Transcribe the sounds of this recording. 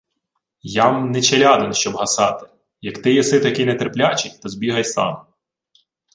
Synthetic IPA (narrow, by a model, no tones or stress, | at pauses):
jamnɛt͡ʃelʲɑd̪ɪnʃt͡ʃɔbɦɐsɑt̪ɪ̥ | jɐkt̪ɪjisɪt̪ɐkɪnɛt̪erplʲat͡ʃɪkʲt̪ɔzʲbʲiɦɐjsɑ̰m